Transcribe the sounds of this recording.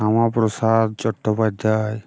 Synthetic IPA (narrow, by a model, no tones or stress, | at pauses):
amapɾɔsad̪̚t͡ʃɔʈʰːɔpad̪ʱːaj